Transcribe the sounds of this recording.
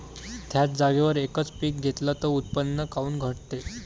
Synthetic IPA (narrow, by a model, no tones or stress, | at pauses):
t̪ʰjat͡sd͡zaɡeʋəɾekət͡spiːk̚ɡʱet̪lat̪əut̪̚pənːəkauːnɡʱəɽt̪e